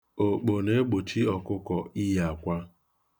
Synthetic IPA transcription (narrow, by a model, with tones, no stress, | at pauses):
o˨k͡po˨ne˦ɡ͡bo˨t͡ʃi˦ɔ˨kʊ˦kɔ˨i˦ja˨a˨kʷa˦